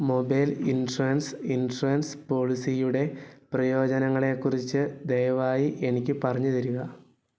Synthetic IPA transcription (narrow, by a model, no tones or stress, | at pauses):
mo̞bɐjlinruɐnsinruɐnspo̞ːɭisijuɽe̞prɐjo̞ːd͡ʑɐnɐŋːɐɭe̞kːurit͡ɕːɨd̪ejɐʋaːjiʔenikʲːɨpɐrɐɲːut̪iɾuɣɐ